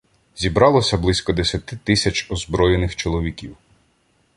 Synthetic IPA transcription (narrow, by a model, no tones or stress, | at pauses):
zʲibɾɑlˠɔsʲɐblˠɪsʲkɔd̪esʲɐt̪ɪt̪ɪsʲɐt͡ʃɔzbɾɔjenɪxt͡ʃɔlˠɔʋʲikʲiw